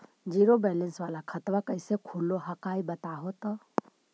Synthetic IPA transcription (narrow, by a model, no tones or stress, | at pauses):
d͡ʒiːɾobɛːlə̃nsʋaːlakʰɐt̪ʋakəɪsekʰuːlːoɦɐkaːibɐt̪aɦoːt̪o